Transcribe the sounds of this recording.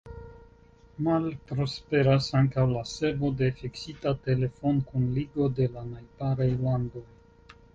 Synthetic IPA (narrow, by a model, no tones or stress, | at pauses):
malpɾo̞spe̞ɾasaŋkawlasevo̞de̞fiksitate̞le̞fo̞nkunliɡo̞de̞lanajpaɾajlando̞j